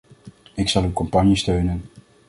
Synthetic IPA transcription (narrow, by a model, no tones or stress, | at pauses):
ɪksɑlˠywkɔmpɑnjistøɥnən